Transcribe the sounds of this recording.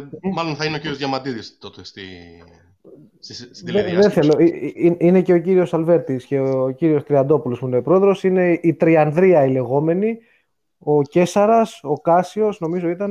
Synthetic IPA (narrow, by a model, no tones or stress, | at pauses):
mɐlonθɐineociɾiozʝɐmɐt̪iðist̪ot̪est̪i | sst̪iðeðenθe̞lo̞iinine̞ce̞o̞ciɾio̞sɐlve̞ɾt̪isce̞ociɾio̞st̪ɾiɐd̪o̞pulospuinepɾo̞eðɾo̞sine̞ʔit̪ɾiɐnðɾiɐile̞ɣo̞me̞ni | o̞ce̞sɐɾɐso̞kɐsio̞sno̞mizo̞it̪ɐn